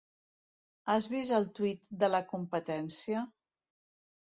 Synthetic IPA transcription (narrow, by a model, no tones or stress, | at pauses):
azβizəlˠt̪wit̪d̪ələkumpət̪ɛnsiə